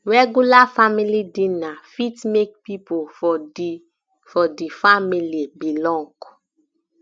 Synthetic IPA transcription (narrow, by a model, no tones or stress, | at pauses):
ɹɛɡjulafamilidĩnafitmek̚pipoɔ | fɔdifamilibilɔ̃ŋɡ̥